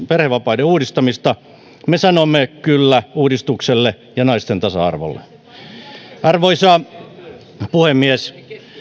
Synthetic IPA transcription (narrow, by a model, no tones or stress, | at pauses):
perheʋʋɑpɑideuːdist̪ɑmist̪ɑ | mesɑnomːekylːæuːdist̪ukselːe | jɑnɑist̪ent̪ɑsɑ̰ɑ̰rʋo̰lːḛ | ɑrʋoisɑːˑ | puhemːies